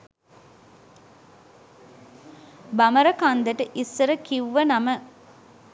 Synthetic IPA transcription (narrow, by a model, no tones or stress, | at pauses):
bɐmɐɾɐkand̪ɐʈəʔisːɐɾəkiʋʋːɐnɐmə